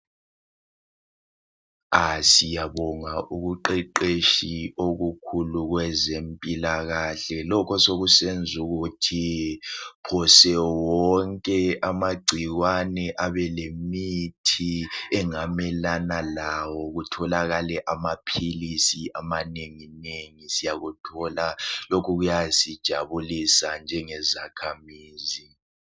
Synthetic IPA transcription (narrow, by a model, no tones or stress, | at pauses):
asijaβɔŋaʔuɣuǃɛǃeʃioɣukʰuluɣwɛzempʼilaɣaɬɛlɔkʰɔsoɣusend͡zʱuɣutʰi | pʰɔsɛwɔŋkʼɛʔamaɡ͡ǀʱiɣwanɛʔaβɛlemitʰiɛŋamɛlanalawɔɣutʰɔlaɣalɛʔamapʰilisiʔamaneŋineŋisijaɣutʰɔlalokʰuɣujasid̥ʒ̥ʱaβulisand͡ʒʱɛŋɛzakʰamiːzi